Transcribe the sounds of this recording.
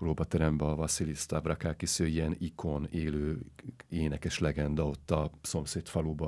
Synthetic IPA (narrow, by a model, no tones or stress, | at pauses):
proːbɒt̪ɛɾɛmbɛɒvɒsilist̪avrakakisøːiɛnikʰoneːløːeːnɛkɛʃlɛɡɛnd̪ɒo̞t̪ːɒso̞mseːt̪fɒluːbɒ